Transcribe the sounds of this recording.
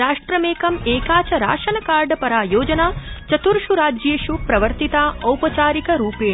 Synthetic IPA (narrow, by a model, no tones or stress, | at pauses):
ɾaːʂʈɾɐmeːkɐmeːkaːt͡ʃɐɾa̰ːʃɐnɐkaːɾɖpɐɾaːjoːd͡ʒɐnaːt͡ʃɐt̪uɾʃuɾaːd͡ʒeːʃupɾɐʋɐɾt̪it̪aːɐwpɐt͡ʃaːɾikɐɾuːpeː